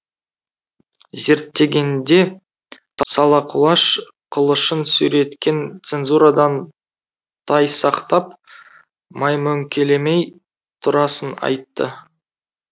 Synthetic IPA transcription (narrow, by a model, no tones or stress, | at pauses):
ze̞ɾt̪ːe̞ɡʲe̞nd̪e̞ | sɑlˠɑqʰʊlˠɑʃ | qʰəlˠəʃənsʉɾe̞t̪kʲe̞nt̪se̞nzuɾad̪ɑn | t̪ʰɑjsɑqt̪ɑp̚ | mɑjmɵŋkʲʰe̞le̞mej | t̪ʰʊɾɑsənɑ̰jt̪ːə